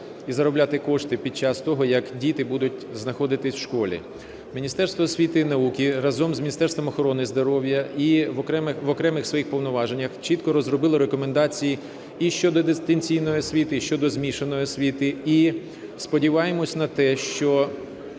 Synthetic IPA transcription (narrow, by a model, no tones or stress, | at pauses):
izɐɾɔblʲat̪ɪkɔʃt̪ɪpʲid̪̚t͡ʃɑst̪ɔɦɔjɐkdʲit̪ɪbud̪ʊt̚ʲznɐxɔd̪ɪt̪ɪsʲwʃkɔlʲḭ | mʲinʲist̪ɛɾst̪ʋɔːsʲʋʲit̪ɪnɐukʲiɾɐzɔmzʲmʲnʲist̪ɛrst̪ʋɔmɔxɔɾɔnɪzd̪ɔɾɔwʲjɐiɛmʋɔkɾɛmɪxsʋɔjixpɔwnɔʋɑʒenʲːɐxt͡ʃit̪kɔɾɔzrɔbɪlˠɔɾekɔmend̪ɑt͡sʲiji | iʃt͡ʃɔd̪ɔd̪ɪst̪enʲt͡sʲijnɔjɔsʲʋʲit̪ɪʃt͡ʃɔd̪ɔzmʲiʃenɔjɔsʲʋʲit̪ɪi | spɔdʲiʋɑjemɔsʲnɐt̪ɛʃt͡ʃɔ